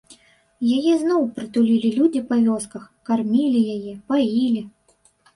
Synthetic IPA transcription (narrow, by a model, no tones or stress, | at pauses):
jajɛznɔwpɾɨt̪ulʲilʲilʲud͡zʲipɐvʲɔskɐx | karmʲilʲijajɛpajilʲi